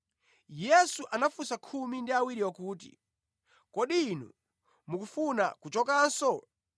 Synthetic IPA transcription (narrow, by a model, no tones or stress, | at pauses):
jɛsuʔanafusakʰumindiawiɾiɔkuːtḭ | kɔɗiːnɔ̰ | mukufuna̰kut͡ʃɔkaːnsɔ